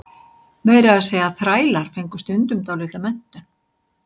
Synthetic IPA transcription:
mejɾaðasejaðθɾaːjlaɾ̥fejŋkʏ̥st̪ʏnt̪ʏmt̪awlɪt̪amɛn̥t̪ʏn

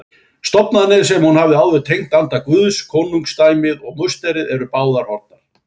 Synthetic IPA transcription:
st̪ɔpnaðnɪɾ̥s̬ɛmhunhavðɪawðvɛt̪ʰejŋt̪ant̪akvʏðskʰɔːnuŋkst̪aːjmɪðɔɣmʏst̪ɛɾɪðɛɾʏpaːwðaɾɔɾt̪naɾ̥

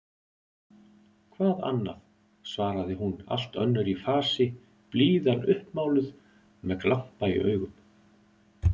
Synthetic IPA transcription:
kʰvaːða̰nːa̰ð | svaːɾaðɪɦuna̰l̥t̪œ̰nːʏɾifaːsɪ | pliːðanʏhpmaːwlʏð̥ | mɛðklam̥paḭœ̰ːɥɣʏm

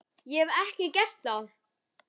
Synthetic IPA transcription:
jɛvɛhcɪcɛr̥t̪θað

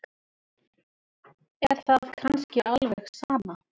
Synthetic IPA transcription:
ɛɾ̥θaðkʰanscɪʔalvɛɛxsaːma

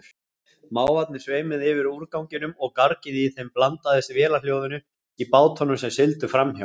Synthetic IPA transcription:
maːwvat̪̚nɪ̥sveːjmɪðɪvɪɾuɾkawɲcɪnʏmɔɣkaɾcɪðɪiθejmplant̪aθɛsɪvjɛːlal̥jowðʏnʏ | ipaːwt̪ʰɔnʏmsɛmsɪlt̪ʏfɾamhjaw

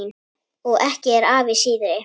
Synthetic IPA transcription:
n | ɔɣʔɛhcɪɛɾaːvɪsiːðʏɾɪ

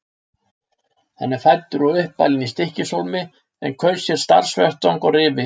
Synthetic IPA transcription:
hɛ̰nːɪfajt̪ːʏɾɔʏhpːa̰lɪnist̪ɪhcɪsolmɪ | ɛ̰nkʰvœɥsjɛɾ̥st̪a̰ɾ̥svœht̪awŋkɔrɪːvɪ

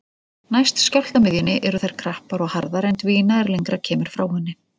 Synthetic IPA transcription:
najst̪scawl̥t̪amɪðjʏnɪʔɛɾʏθajɾ̥kʰɾahpaɾɔɣhaɾðaɾejnt̪viːnaɛɾlejŋkɾacʰɛːmɪɾ̥fɾaːwhʏnːɪ

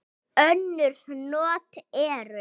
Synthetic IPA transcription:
œnːʏɾ̥nɔːt̪ɛːɾʏ

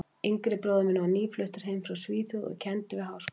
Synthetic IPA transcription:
iŋkɾɪpɾɔːðʏmɪnːavaniːflœht̪ɪɾ̥ɦejmfɾawsviːθjɔðɔ̰cʰɛnt̪ɪvɪɦaws

